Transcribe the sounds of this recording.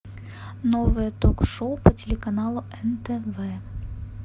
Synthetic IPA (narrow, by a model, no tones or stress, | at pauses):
nɔʋɨjɐt̪ɔkʂoʊpɐtʲelʲekɐnɑlˠʊɛnt̪ɛʋɛ